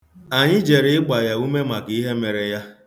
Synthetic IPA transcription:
a˨ɲɪ˦d͡ʒe˨ɾɪ˦ɪ˦ɡ͡ba˨ja˨u˦me˦ma˨ki˦i˦ɦe˦me˨ɾe˨ja˦

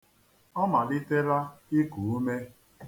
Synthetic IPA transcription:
ɔ˦ma˨lɪ˦te˦ɾa˦ɪ˦ku˨u˦me˦

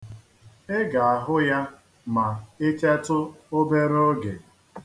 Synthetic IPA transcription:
e˦ɡa˨a˨ɦʊ˦ja˦ | ma˨e˦t͡ʃe˦tʊ˦o˦be˦ɾo˦ɡe˨

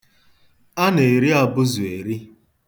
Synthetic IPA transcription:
a˦ne˨ɾi˦a˨bʊ˦zʊ˨e˨ɾi˦

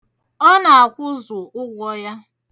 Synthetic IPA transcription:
ɔ˦na˨a˨kʷʊ˦zʊ˨ʊ˦ɡʷɔ˦ja˦

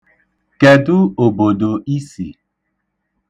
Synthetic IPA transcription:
kɛ˨du˦o˨bo˨do˨i˦sḭ˨

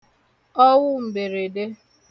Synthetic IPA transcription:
ɔ˦wʊ˦m̩˨be˨ɾe˨de˦

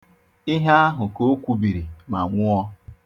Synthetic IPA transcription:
i˦ɦa˦a˦ɦʊ˨ko˦kʷu˦bi˨ɾi˨ma˨ŋʷʊ˦ɔ˦

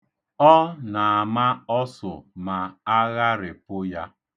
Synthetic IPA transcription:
ɔ˦na˨a˨ma˦ɔ˦sʊ̰˨ma˨a˦ɣa˦ɾɪ˨pʊ˦ja˦

